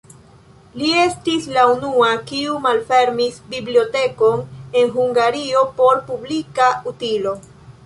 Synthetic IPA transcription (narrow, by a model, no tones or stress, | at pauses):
lie̞stislaunuakiumalfe̞ɾmisbiblio̞te̞ko̞ne̞nɦuŋɡaɾio̞po̞ɾpublikautilo̞